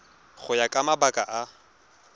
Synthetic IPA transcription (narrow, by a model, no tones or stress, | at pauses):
χʊjakʼamabakʼaʔa